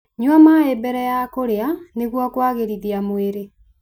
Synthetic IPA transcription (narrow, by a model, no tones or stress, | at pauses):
ɲwamaebɛɾɛjakoɾeaneɣwɔkwaɣeɾiðiamweɾe